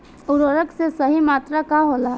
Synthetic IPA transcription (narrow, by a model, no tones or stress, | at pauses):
ʊɾoːɾəksesɐɦimaːt̪ɾakaɦoːlaː